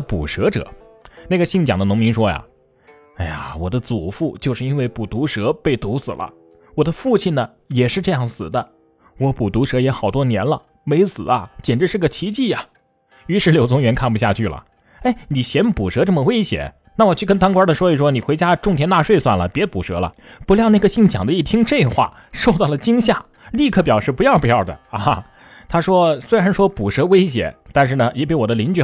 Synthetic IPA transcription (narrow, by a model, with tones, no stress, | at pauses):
pṵ˨˩ʂɤ˧˥ʈ͡ʂɤ̰˨˩˦ | na˥˩ɡə˩ɕi˥˩ŋt͡ɕjɑ˨˩ŋd̪ə˦nʊ˧˥ŋmi˧˥ŋʂwɔ˥ja̰˩ | a˥˩ɪa˩wɔ˨˩d̪ə˦t͡su˨˩fu˥˩t͡ɕjo˥˧ʊʂɻ̩˧i˥nwe˥˩ɪpu˨˩t̪u˧˥ʂɤ˧˥pe˥˩ɪt̪u˧˥sɹ̩̰˨˩lʔə̰˦ | wɔ˨˩d̪ə˦fu˥˧t͡ɕʰi˥˩nnə˩ | jɛ˨˩ʂɻ̩˥˧ʈ͡ʂɤ˥˧jɑ˥˩ŋsɹ̩˨˩d̪ə˦ | wɔ˧˥pu˨˩t̪u˧˥ʂɤ˧˥jɛ˧˥xɑ˨˩ʊt̪wɔ˥njɛ˧˥nlə˧ | me˧˥ɪsɹ̩˨˩ɐ̰˦t͡ɕjɛ˨˩nʈ͡ʂɻ̩˥ʂɻ̩˥˩ɡə˩t͡ɕʰi˧˥t͡ɕi˥˩a˩ | y˧˥ʂɻ̩˧˥ljo˨˩ʊt͡sʰʊ˥ŋɥɛ˧˥nkʰa˥˩np̬u˧˩ɕja˥˧t͡ɕʰy˥˩lə̰˩ | e˥˩ɪni˨˩ɕjɛ˧˥npu˨˩ʂɤ˧˥ʈ͡ʂɤ˥˩mə˩we˥ɪɕjɛ̰˧˩˦ | na˥˩wɔ˨˩t͡ɕʰy˥˩kə˥nt̪ɑ˥ŋkwa˥də˨ʂwɔ˥i˨˩ʂwɔ˥ni˨˩xwe˧˥ɪt͡ɕja˥ʈ͡ʂʊ˥˧ŋt̪ʰjɛ˥nt̪a˥˧ʂwe˥˧ɪswa̰˥˩nlə̰˩pjɛ˧˥pu˨˩ʂɤ̰˧˥lə̰˧ | pu˧˥ljɑ˥˧ʊn˥˩ɡə˩ɕi˥˩ŋt͡ɕʰjɑ̰˨˩ŋd̪ə˦i˥˩t̪ʰi˥ŋʈ͡ʂe˥˧ɪ˨˩xwa̰˥˩ | ʂo˥˧ʊt̪ɑ˥˩ʊlə˩t͡ɕi˥ŋɕja˥˩ | li˥˧kʰɤ˥˩p̬jɑ˨˩ʊʂɻ̩˥˩pu˧˥jɑ˥˩ʊpu˧jɑ˥˩ʊd̪ə̰˩a˥˧˩ | t̪ʰa˥ʂwɔ˥swe˥ɻa˧˥nʂwɔ˥pu˨˩ʂɤ˧˥we˥ɪɕjɛ̰˨˧˥t̪a˥˧nʂ̬ɻ̩˥˩nə˩jɛ˨˩p̬i˥˩wɔ˨˩d̪ə˦li˧˥nt͡ɕ